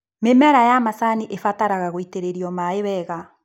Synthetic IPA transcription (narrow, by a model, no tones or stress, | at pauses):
memɛɾajamasaniʔefataɾaɣaɣoiteɾeɾiɔmaeβɛɣa